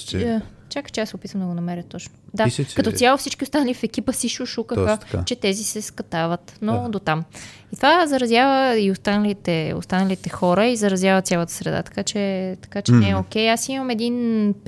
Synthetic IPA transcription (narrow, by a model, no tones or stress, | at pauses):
t͡ʃakə̥t͡ʃɛasopit̪vəmd̪əɡonɐmɛɾʲjət̪ɔt͡ʃnod̪akɐt̪ɔsʲjalˠofsit͡ʃkiost̪anɐlifɛkipəsiʃuʃukəxəa̰t͡ʃɛt̪ɛzisɛskɐt̪avət̪nod̪ot̪am | it̪ovazɐɾɐzʲjavəiost̪anəlit̪ɛo̰st̪anəlit̪ɛxɔɾəizɐɾɐzjavət̪sʲjalˠət̪ə̥sɾɛd̪a̰t̪ɐ̥kat͡ʃɛt̪ɐ̥kat͡ʃɛnɛɛok̟ɛjasimɐmɛd̪in